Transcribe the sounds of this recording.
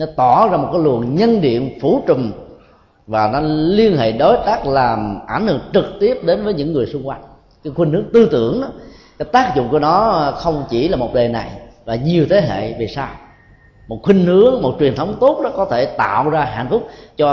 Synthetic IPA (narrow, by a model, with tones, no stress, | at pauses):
nɔ˨˦t̪ɔ˧˩zaː˧mo˨˩t̚kaː˨˦jlɨ˨˩əŋɲə˧nɗḭ˧˨ənfu˧˩t͡ɕʊ˨˩m | vaː˨˩nɔ˨˦li˧ənhḛ˧˨ɗo˨˦jt̪aː˦˥k̚laː˨˩mʔa˧˩nhɨ̰˧˨əŋt͡ɕɨ˨˩k̚t̪i˦˥əp̚ɗe˨˦nvəː˨˦jɲɨ̰˧˥ŋːɨ˨˩əjsʊ˧ŋ͡mxwa˧jŋ | ka˨˦xwi˧ŋ̟hɨ˨˦əŋt̪ɨ˧t̪ɨ̰˧˩əŋɗɔ˨˦kaː˨˦jt̪aː˦˥k̚zʊ̰˧˨ŋ͡mku˧˩ənɔ˨˦xə˧wŋ͡mt͡ɕi˧˩laː˨˩mo˨˩ɗe˨˩na˨˩jvaː˨˩ɲi˨˩əwt̪ʰe˨˦ɦḛ˧˨vi˨˩saː˧w | mo˨˩t̚xwi˧ŋ̟hɨ˨˦əŋmo˨˩t̚t͡ɕwi˨˩ənt̪ʰə˨˦wŋ͡mt̪o˦˥t̚ɗɔ˨˦kɔ˨˦t̪ʰe˧˩t̪a̰ː˧˨wzaː˧ɦa̰˧˨nfʊ˦˥k͡p̚t͡ɕɔ˧